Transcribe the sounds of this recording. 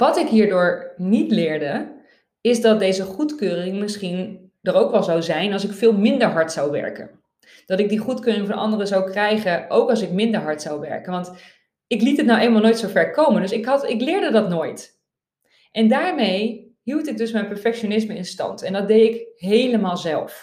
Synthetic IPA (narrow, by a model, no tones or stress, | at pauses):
ʋɑtɪkɦiːɹdʊːɹnitlɪːɹdə | ɪzdɑt̚dejzəχutkøːrɪŋmɪsχin | d̥ərowkʋɛlˠzawzɛjnɑlˠsɪkfɪːlˠmɪndəɹɦɑɹtsawʋɛ̰ɹkə̰n | d̥ɑtɪɡ̚diχutkøːrɪŋvɑnɑ̰ndərəzawkrɛjχəʔowkɑlˠs̬ɪkmɪndəɹɦɑɹtsawʋɛ̰ɹkənʋɑnt | ɪklitɦətnawʔejləmalˠnoːjtsowvɛɹkowməndɵsɪkɦɑtɪklɪːɹdədɑtnoːjt | ʔɛndaːɹmej | ɦiwtɪk̚dɵsmɛjnpɛɹfɛkʃonɪsməɪnstɑ̰ntɛndɑt̚dejɪkɦejləmaːlˠzɛ̰lˠf